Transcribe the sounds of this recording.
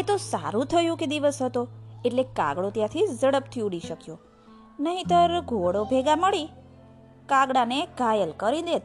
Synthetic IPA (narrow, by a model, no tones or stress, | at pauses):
et̪osa̰ɾũt̪ʰəjũked̪iʋəsɦət̪oeʈlekã̰ɡɽot̪jãt̪ʰizəɽəp̚t̪ʰiuɽiʃəkjo | nəɦĩt̪əɾɡʱoɽobʱeɡaməɭi | kaɡɽaneɡʱajəlkəɾid̪et̪